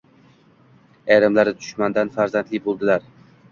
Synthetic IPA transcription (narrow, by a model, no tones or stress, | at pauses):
ajɾamlaɾɪd̪ʰʊʃmand̪anfaɾzant̪lɪbolˠd̪ɪlaɾ